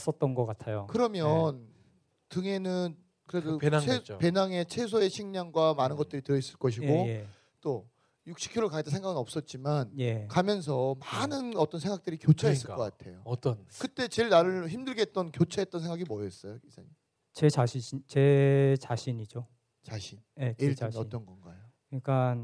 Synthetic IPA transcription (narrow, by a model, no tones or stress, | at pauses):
s͈ʌt̚t͈ʌnɡʌk͈atʰajokɯɾʌmjʌn | tɯŋe̞nɯn | kɯɾedopenaet͡ɕope̞naŋe̞t͡ɕʰe̞sʰoe̞ɕʰiŋɲaŋɡwamanɯnɡʌt̚t͈ɯɾitɯɾʌis͈ɯɭk͈ʌɕ̬ʰiɡoje | t͈o | juk̚ɕ͈ʰi̥kʰjoɾɯɭkaɡet͈asʰeŋɡaɡɯnʌp̚s͈ʌt̚t͡ɕ͈imanjekamjʌns̬ʰʌmanɯnʌt͈ʌnsʰe̞ŋɡak̚t͈ɯɾikjot͡ɕʰaes͈ɯkʌk͈atʰe̞jot͈ʌnkɯt͈e̞t͡ɕe̞ɭnaɾɯɭçimdɯɭɡet̚t͈ʌnkjot͡ɕʰaɦe̞t̚t͈ʌnsʰe̞ŋɡaɡimʌjʌs͈ʌjoisʰaɲim | t͡ɕet͡ɕaɕʰit͡ɕet͡ɕaɕʰiɲid͡ʑo | t͡ɕaɕʰinjeiʌt͈ʌnɡʌnɡa̰jo | kɯɲik͈an